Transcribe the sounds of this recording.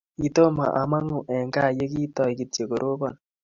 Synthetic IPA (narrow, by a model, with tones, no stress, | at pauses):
i˨to˦ma̰˨ʔa˨ma˦ŋu˨ʔɛ˨ŋɡa˦˨je˦ki˦tɔ˨i˨ki˨te˨ko˨ɾʔo˦bɔ˨n